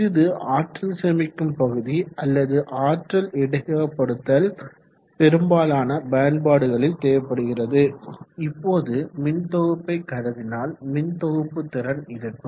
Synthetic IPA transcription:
ɯðɯʔaːʈɾɐnsɛmɪkːɯmpɐɣɯðiɐlːɐðɯʔaːʈrɐlɪɽɐkɐɐpːɐɽɯt̪ːɐl | pɛɾɯmbaːlaːnɐbaːɳbaːɽɯɣɐɭɪlt̪eːʋɐpːɐɽɯɣɪrɐðɯɪpːoːðɯmɪnt̪ɔɣɯpːɐɪkːɐðɐðɪnaːlmɪnt̪ɔɣɯpːɯt̪ːɪɾɐnɪɾɯkːɯm

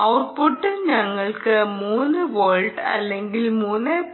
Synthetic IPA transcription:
ɐwrpoʈːɨɲɐŋːɐɭkɨmuːnːɨʋoːɭɖɐ̰lːeŋɡilmuːnːe

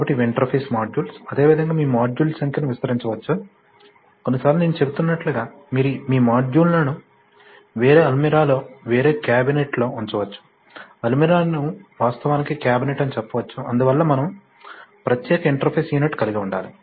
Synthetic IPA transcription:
kabɐʈːiʋiɳʈɐɾpʰeːsmaːd͡ʒuːlsɐd̪e̞ːʋid̪ʱɐŋɡaːmiːmaːd͡ʒjuːlsɐŋkinuʋist̪ɐɾiɲt͡ʃɐʋɐt͡ʃːu | ko̞nːisaːɾluneːnut͡ʃe̞but̪unːɐʈluɡaː | miːɾumiːmaːd͡ʒuːlnɐnu | ʋe̞ːɾeːɐlmiɾaːlo̞ːʋe̞ːɾe̞ːkaːbineʈlo̞ːuɲt͡ʃɐʋɐt͡ʃːu̥ | ɐlmiɾaːnuʋaːst̪ɐʋaːnikikjaːbineʈːɐnit͡ʃɛpːɐʋɐt͡ʃːuʔɐnd̪uʋɐlːɐmɐnɐm | pɾɐt̪jɛːkɐiɳʈɐɾpʰeːsjiːnɐʈkɐliɡiuɳɖa̰ːli

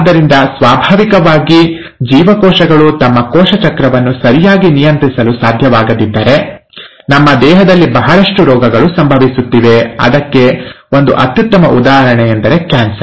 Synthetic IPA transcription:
d̪ːɐɾind̪ɐsʋaːbʱaːʋikɐʋaːɡi | d͡ʒiːʋɐkɔːʃɐɡɐɭut̪ɐmːɐkɔːʃɐt͡ʃɐkɾɐʋɐnːusɐɾijaːɡinijɐnt̪ɾisɐlusaːd̪ʱjɐʋaːɡɐd̪id̪ːɐɾe̞ | nɐmːɐd̪ɛːɦɐd̪ɐlːibɐɦɐɭɐʂʈuɾɔːɡɐɡɐɭusɐmbʱɐʋisut̪ːiʋe̞ɐ̰d̪ɐkːe̞ | o̞nd̪uʔɐ̰t̪jut̪ːɐmɐ̰ʔud̪aːɦɐɾɐɳɛjend̪ɐɾe̞kjaːnsɐɾ

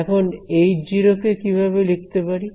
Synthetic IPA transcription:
ɛkʰonejd͡ʑiɾokekibʱaβelik̚t̪epaɾi

